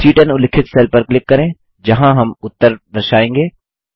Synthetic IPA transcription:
siːʈənʊlɪkʰɪt̪seːlpəɾklɪkːɐɾẽː | d͡ʒɐɦãɦɐmʊt̪ːəɾd̪ɐɾʃaːẽːŋɡeː

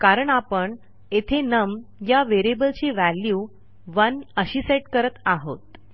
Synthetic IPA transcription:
kaɾəɳapəɳ | et̪ʰenəmjaʋeɾebəlt͡ɕiʋælju | ʋənəɕiːseʈkəɾət̪aɦo̰t̪

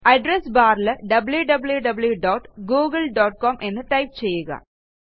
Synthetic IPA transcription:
ɐɖɾesbaːɾlɐɖɐbljuɖɐbljuɖɐbljuɖoːʈɡuːɡɐlɖoːʈkoːmʔenːɨʈɐjp̚t͡ɕejːuɣɐ̰

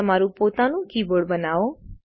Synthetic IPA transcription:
əmaɾũpot̪anũkiboɽbənao

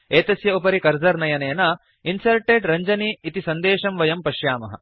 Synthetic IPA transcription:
eːt̪ɐsjɐupɐɾikɐɾzɐɾnɐjɐneːnɐ | insɐɾʈeːɖɾɐɲd͡ʒɐniːt̪isɐnd̪eːʃɐmʋɐjɐmpɐʃjaːmɐɦɐ̰

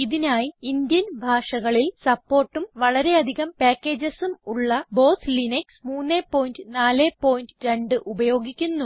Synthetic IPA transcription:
iðinaːjiind̪jɐnbʱaːʂɐɣɐɭilsɐpːo̞ːrʈːumʋɐɭɐɾe̞ɐd̪ʱiɣɐmpeːkːe̞ːd͡ʑɐsumuɭːɐbo̞ːslineksmuːnːeːpːo̞ːjindɨnaːleːpo̞ːjindɨɾe̞ɳɖɨʔubɐjo̞ːɡikʲːunːu

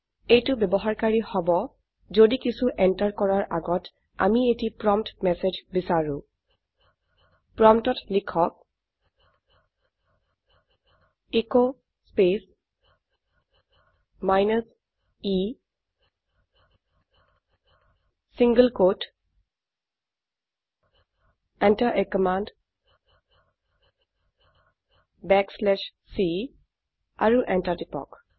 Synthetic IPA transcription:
ejtubɛbɔɦaɹkaɹihɔbɔ | zodikisuʔɛntaɹkɔɹaɹʔa̰ɡɔt | a̰mietipɹɔmtmɛsed͡ʒbisaɹũ | pɹɔmtɔtlikʰɔk̚ | eko | spes | maɪnəs | iː | sɪ̃ŋɡəlkoːʈ | ɛ̃ɳʈəɾʔekəmãːɳɖ | bɛkslɛʃsi | aɾuʔɛ̃ɳʈaɾʈipɔ̰k

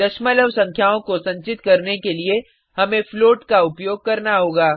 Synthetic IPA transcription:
d̪ɐʃmələʋsɐ̃ŋkʰjaːõkosɐ̃ɲt͡ʃɪt̪kɐɾnekelie | ɦɐmẽfloːʈkaʊpjoːɡ̚kɐɾnaɦoːɡaː

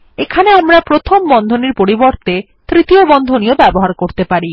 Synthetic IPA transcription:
ekʰaneamɾapɾot̪ʰombɔnd̪ʱoniɾpoɾibɔɾt̪e | t̪ɾit̪iobɔnd̪ʱonijobɛboɦaɾkoɾt̪epaɾi

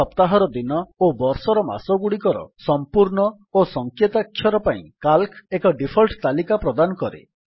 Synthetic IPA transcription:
ɔpt̪aɦɔɾɔd̪inɔobɔɾsɔɾɔma̰sɔɡuɽikɔɾɔ̰sɔmpuɾɳɔ | osɔŋkjet̪akʰːjɔɾɔpaĩkalkʰekɔɖipʰɔlʈt̪alikapɾɔd̪anɔkɔɾḛ

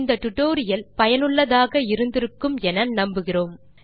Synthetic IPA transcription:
nd̪ɐt̪ʊʈːoːɾɪjɐlpɐjɐnɯɭːɐðaːɣɐɪɾɯnd̪ɪɾɯkːɯmɛnɐnɐmbɯɣɪroːm

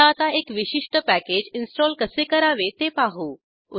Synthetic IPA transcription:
aːt̪aekʋiɕiʂʈəpæked͡ʑinsʈɔlkəsekəɾaʋet̪epaɦuː | u

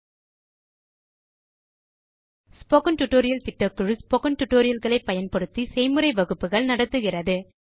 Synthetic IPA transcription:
spoːkɐnʈʊʈːoːɾɪjɐlt̪ɪʈːɐkːɯɻɯspoːkɐnʈʊʈːoːɾɪjɐlɣɐɭɐɪpːɐjɐnpɐɽɯt̪ːisɛɪmɯɾɐɪʋɐɣɯpːɯɣɐɭnɐɽɐt̪ːɯɣɪrɐðɯ

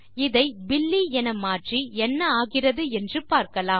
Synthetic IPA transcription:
ɪðɐɪbɪlːiɛnɐmaːʈriɛnːɐaːɣɪrɐðɯɛndrɯpaːɾkɐlaː

